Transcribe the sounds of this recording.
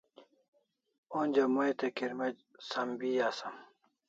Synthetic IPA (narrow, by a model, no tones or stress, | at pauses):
onʲd͡ʑamuet̪ekiɾmed͡ʑsɐmbijasɐm